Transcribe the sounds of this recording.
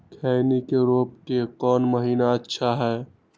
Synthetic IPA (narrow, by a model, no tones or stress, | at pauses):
kʰɛːɪnikeɾoːp̚kekɔːnməɦiːnaətːʃʰaɦɛː